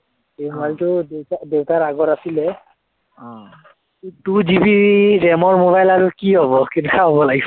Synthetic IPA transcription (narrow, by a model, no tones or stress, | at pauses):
emobajltʊdewtadewtaɹaɡɔtasilɛ | ɔ̃ | tud͡ʒibiɹɛmɔɹmoβajlaɹukiɦɔβɔkintaɦɔbɔlaɡis